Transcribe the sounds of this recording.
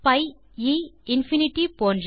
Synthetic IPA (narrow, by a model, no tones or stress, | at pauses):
pɐɪ | iɪnfinɪʈipoːnɾ